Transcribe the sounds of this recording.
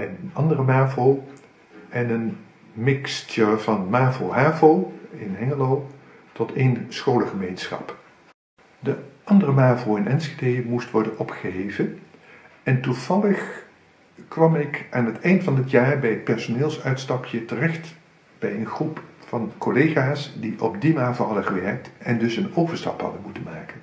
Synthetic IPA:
ɛnənɑndərəmaːvow | ɛnən | mɪkstəv̥ɑnmaːvowɦaːvowɪnɛŋəlow | tɔtʰejnsχowləχəmejnsχɑ̰p | dəʔɑndərəmaːvowɪnɛnsedejmustʋɔɹdənɔpχəɦejvən | ɛntuv̥ɑləχ | kʋɑmɪkaːnɦətʰɛjntfɑndɪtjaːɹbɛjət̚pɛɹsonɪːlˠsœɥtstɑpʰjətərɛχt | b̥ɛjənχrupfɑnkolejχaːsdiʔɔbdimaːvlɦɑdəχəʋɛɹk̚tɛndɵsənowvəɹstɑ̰phɑ̰dənmutənmaːkən

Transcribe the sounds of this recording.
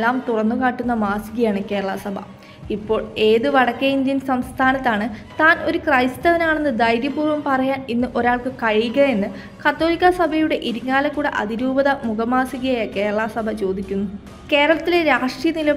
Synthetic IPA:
lːaːmt̪urɐnːukaːʈːunːɐmaːsiɣɐjaːɳɨke̞ːɾɐɭɐsɐbʱɐ̰ | ipːo̞ːɭe̞ːðɨʋɐɽɐkːɐind̪jɐnsɐmst̪ʰaːnɐt̪ːaːɳɨt̪aːno̞ɾukrɐjstɐʋɐnaːɳe̞nːɨd̪ɐjɾjɐpuːrʋɐmpɐrɐjaːninːɨʔo̞ɾaːɭkɨkɐɻijuɣɐe̞nːɨ | kɐt̪ːo̞ːlikʲːɐsɐbʱɐjuɽe̞ʔiɾuŋːaːlɐkːuːɽeʔɐ̰ðiɾuːbɐðɐmuɣɐmaːsiɣɐjaːjɐke̞ːɾɐɭɐsɐbʱɐt͡ɕo̞ːd̪ikʲːunːu | ke̞ːɾɐɭɐt̪ːileɾaːʂʈrijɐnilɐ

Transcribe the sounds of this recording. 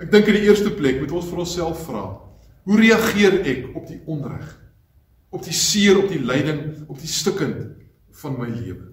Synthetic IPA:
æk̚dəŋkəndiərstəplɛkmutɔnsfɐnɔnsælˠfːrɑ̰ː | ɦuɾeɐχiəɾɛkɔp̚diʔɔnræ̰χ | ɔp̚disiəɾɔp̚dilɛjdəŋɔp̚distəkənt | fɐnməjliəvə

